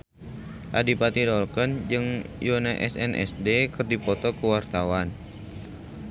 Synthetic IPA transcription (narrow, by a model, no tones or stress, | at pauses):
ʔadipat̪idɔlkənd͡ʒɨŋjonaʔɛsɛnʔɛ̰sdekɨrdipɔt̪ɔkəwart̪awan